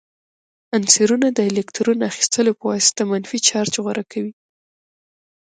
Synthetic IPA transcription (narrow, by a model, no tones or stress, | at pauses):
anseɾunad̪əelekt̪ɾunaxi̥st̪ʰəlopəwɑsɪ̥t̪amanfit͡ʃɑɾt͡ʃɣwaɾʔakʰawi